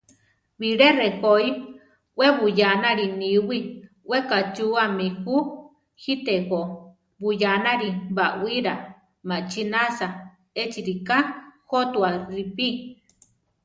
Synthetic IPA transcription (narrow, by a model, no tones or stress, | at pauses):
βiɾerehoi | ʔwʔeβujanaɾiniwi | ʔwekat͡ʃuamihu | hit̪eko | βujanaɾiβaʔwiɾa | mat͡ʃinasa | et͡ʃiɾikahot̪uaɾipi